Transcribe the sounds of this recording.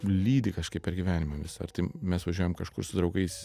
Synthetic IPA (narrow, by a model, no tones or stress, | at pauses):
lʲiːd̪ʲɪkɐʃkɐɪpʲpʲɛɾɡʲiʋʲæːnʲɪmɐʋʲɪsɐɐ̰rt̪ɐɪmʲɛsʋɐʒʲuɔjɛmkɐʃkʊɾsʊd̪ɾɒʊɡɐɪs